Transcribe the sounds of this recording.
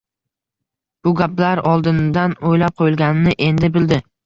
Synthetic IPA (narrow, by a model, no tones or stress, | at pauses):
b̥ʊɡʲaplaɾɒlˠd̪ɪnd̪anojlap̚qʰojɪlˠɡʲanɪnɪʔe̞nd̪ɪbɪld̪ɪ